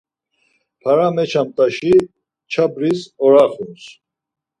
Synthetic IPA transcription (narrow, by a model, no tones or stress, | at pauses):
pʰaɾamɛt͡ʃʰamt̪ʼaʃi | t͡ʃʰabɾisɔɾaχuns